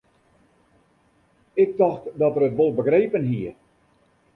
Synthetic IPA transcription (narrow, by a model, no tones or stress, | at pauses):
ɪk̚dɔxtdɔtərətʋolˠbəɡreːpənɦiə